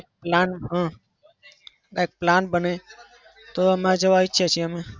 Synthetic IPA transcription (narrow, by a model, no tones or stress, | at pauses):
k̚planɦã | aek̚planbəne | t̪oəmad͡ʒəʋaitːʃʰet͡ʃʰeəme